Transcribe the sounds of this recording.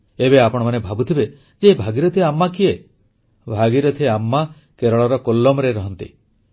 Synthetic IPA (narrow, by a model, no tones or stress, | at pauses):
ebeapɔɽ̃ɔmanebʱabut̪ʰibe | d͡ʒebʱaɡiɾɔt̪ʰieamːakie | bʱaɡiɾɔt̪ʰieamːa | keɾɔɭɔɾɔkolːɔmɔɾeɾɔɦɔnt̪ḭ